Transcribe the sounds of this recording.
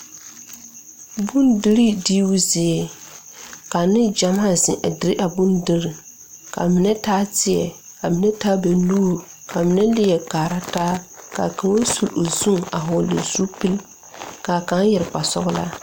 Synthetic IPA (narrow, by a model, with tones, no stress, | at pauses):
bu˦ndi˦ɾi˦di˦wu˦zɪ˨ɛ˨ | ka˨nɪ˦d͡ʒa˨ma˦˨zɪ˨ʔa˨dɪ˨˦ɾɪ˦ʔa˨bu˦ndi˦ɾi˨ | ka̰˨mɪ˨nɛ˦taː˦tɪ˦ɛ̰˨ka˨mɪ˨nɛ˦taː˦bɛ˨nu˦˨ɾ | kʰa˨mɪ˨nɛ˦lɪ˦jɛ˨kaː˨ɾa˦taː˦ka̰˨ka˨ŋwa˦su˨lo˨zu˦ŋa˨ɦɔ˨lḛ˨zu˦pi˦l | ka˨ka˨˦njɛ˨ɾk͡pa˨sɔ̰˦ɣʊ˦la̰˦